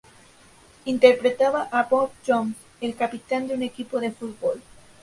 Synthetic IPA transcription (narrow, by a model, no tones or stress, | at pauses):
int̪e̞ɾpɾet̪aβaʔabop̚t͡ʃoŋ | elkapit̪and̪eune̞kipoðe̞fut̪̚bol